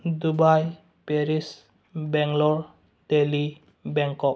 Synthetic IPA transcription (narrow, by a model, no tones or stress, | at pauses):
d̪ubaj | peɾis | bɛŋlɔɾ | teli | bɛŋkɔp̚